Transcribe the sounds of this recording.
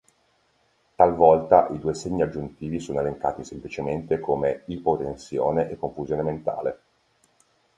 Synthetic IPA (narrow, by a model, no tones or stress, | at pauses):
t̪alvɔlt̪aʔid̪uːeseɲːiad͡ʒːunt̪iːvisoːnoeleŋka̰ːt̪isemplit͡ʃement̪ekomeipot̪ensjoːneʔekːoɱfuzjoːnement̪a̰ːle